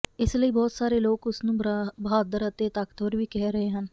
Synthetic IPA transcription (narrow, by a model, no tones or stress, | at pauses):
ɪsləiːbɔːt̪saːɾeːloːkʊsnũːbɦaːd̪əɾət̪eːt̪akt̪oːɾʋiːkɛɦɾəɦeːɦən